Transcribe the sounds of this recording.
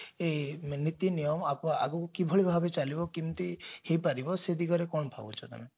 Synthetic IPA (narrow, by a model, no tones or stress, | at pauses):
enit̪inijɔmapaa̰ɡɔkukibʱɔɭibʱabet͡ʃalibɔkimt̪ihepaɾibɔsed̪ʱikɔɾekɔɳɔpʰa̰bṵt͡ʃʰɔt̪a̰me